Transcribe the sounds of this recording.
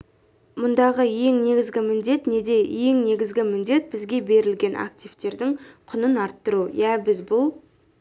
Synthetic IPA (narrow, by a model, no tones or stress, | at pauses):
mʊnd̪ɑʁəje̞ŋne̞ɡʲɪzɡʲɪmɪnd̪e̞t̪ne̞d̪e̞je̞ŋne̞ɡʲɪzɡʲɪmɪnd̪e̞t̪̚b̥ɪzɡʲe̞be̞ɾɪlɡʲe̞nʔa̰k̚t̪ijvt̪e̞ɾd̪ɪŋqʰʊnənɑɾt̪ːəɾujæbɪzbʊlˠ